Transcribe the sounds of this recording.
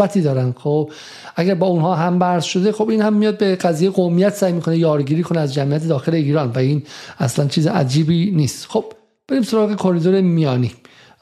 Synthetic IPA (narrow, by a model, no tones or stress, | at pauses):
æt̪ʰiːd̪ɒːɾænd̪̥xob | ʔæɡæɾbɒːunhɒːɦæmbæɾz̥ʃo̞d̪e̞xo̞biːnhæmːijɒːd̪̚be̞ɢæzijeeɡomijæt̪ʰsæːjmiːkʰo̞nejɒːɾɡiːɾiːkʰoneæzd͡ʒæmijæt̪ʰe̞d̪ɒːxe̞le̞iːɾɒːnvæiːnæ̰slænt͡ʃʰiːzeʔæ̰d͡ʒiːbiniːst̪xob̥̚ | b̥e̞ɾiːmso̞ɾɒːɣe̞kʰo̞ɾid̪oɾemijɒːnḭː